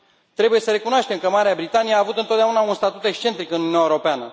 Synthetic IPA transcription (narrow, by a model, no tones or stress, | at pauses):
t̪ɾe̞buje̞səɾe̞kunoaʃt̪emkəmaɾeabɾit̪anijeaːvut̪ɨnt̪ot̪d̪eaunaunst̪at̪ut̪e̞kst͡ʃe̞nt̪ɾikɨnuniunaeuɾo̞peanə